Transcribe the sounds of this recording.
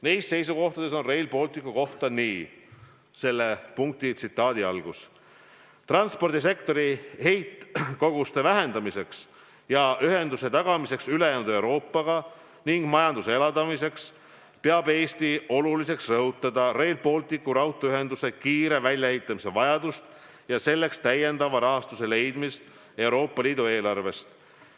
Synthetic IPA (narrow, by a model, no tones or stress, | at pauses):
nejst̪se̞jsuko̞ht̪ɑd̪̥e̞so̞nre̞jlpo̞ːlt̪ˑikːˑuko̞ht̪ɑniː | se̞lːe̞puŋk̚t̪it̪sit̪ːˑɑːd̪iɑ̰lɡ̥us | t̪rɑnspo̞rd̪is̬e̞kt̪o̞ɾihe̞jt̪ko̞ɡ̥ust̪e̞væɦe̞nd̪̥ɑmise̞ks | jɑʔyɦe̞nd̪use̞t̪ɑɡ̥ɑmise̞ksylejæːnud̪̥e̞wɾo̞ːpːˑɑɡ̥ɑ | niŋɡ̥mɑjɑnd̪useelɑd̪ɑmise̞ks | peɑbe̞ːst̪io̞lulise̞ksrɤɦut̪ːˑɑd̪̥ɑɾe̞ːlpo̞lt̪ikːˑuɾɑwt̪ːˑoyɦe̞nd̪use̞kiːɾe̞vælʲjɑhejt̪ˑːɑmise̞vɑjɑd̪̥ust̪ | jɑse̞lːe̞kst̪æje̞nd̪ɑvɑɾɑɦɑst̪use̞le̞jd̪̥mist̪ | e̞uɾo̞ːpˑːɑliːd̪ue̞ːlɑrve̞st̪